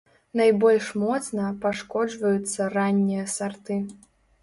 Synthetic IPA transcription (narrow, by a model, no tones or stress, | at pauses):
najbɔlʲʂmɔt̪snɐpaʂkɔd͡ʐvɐjut̪sːɐranʲːijɐsart̪ɨ